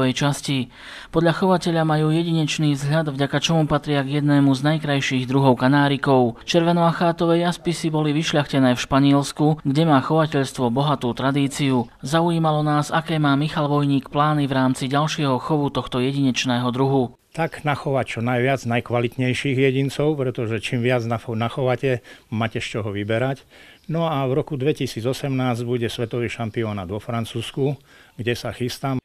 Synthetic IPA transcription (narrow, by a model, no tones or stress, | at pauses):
ɛjt͡ʃasci | pɔd̪ʎaxɔʋacɛʎamajuːjɛɟiɲɛt͡ʃniːzɦʎad̪vɟakat͡ʃɔmupat̪ɾɪaɡjɛd̪nɛːmuznajkɾajʃiːɣd̪ɾuɦɔʊkanaːɾikɔʊt͡ʃɛɾʋɛnɔaxaːt̪ɔʋɛjːaspisibɔliʋiʃʎʲaxcɛnɛːfʃpaɲɪɛlskuɡɟɛmaːxɔʋacɛʎst̪ʋɔbɔɦat̪uːt̪ɾad̪iːt͡siu | zaujiːmalɔnaːzakɛːmaːmixalʋɔjɲiːkplaːnivɾaːmt͡siɟalʃɪɛɦɔxɔʋut̪ɔxt̪ɔjɛɟiɲɛt͡ʃnɛːɦɔd̪ɾuɦu | t̪aɡnaxɔʋact͡ʃɔnajʋɪad͡znajkʋalit̪ɲɛjʃiːɣjɛɟint͡sɔʊpɾɛt̪ɔʒɛt͡ʃimʋɪad͡znaxɔʋacɛmaːcɛʃt͡ʃɔɦɔʋibɛɾac | nɔavɾɔkud̪ʋɛcisiːd͡zɔsɛmnaːzɟbuɟɛsʋɛt̪ɔʋiːʃampiɔːnad̪ʋɔfɾant͡suːsku | ɡɟɛsaxist̪am